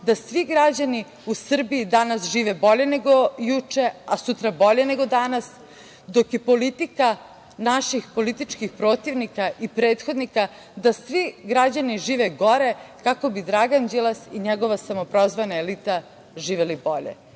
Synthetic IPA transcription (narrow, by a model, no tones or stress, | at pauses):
d̪asʋiɡɾad͡ʑani | usr̩biːd̪anasʒiːʋebo̞ʎe̞ne̞ɡojut͡ʃe̞asut̪ɾabo̞ʎe̞ne̞ɡo̞d̪anas | d̪o̞kjepo̞lit̪ika | naʃixpo̞lit̪it͡ʃkixpɾo̞ːt̪iʋnikaʔipɾe̞ːt̪xo̞d̪nika | d̪asʋiɡɾad͡ʑaniʒiːʋeɡo̞ɾe̞kako̞bid̪ɾaɡand͡ʑelasiɲeɡo̞ʋasamopɾozʋanaelit̪a | ʒiːʋelibo̞ʎḛ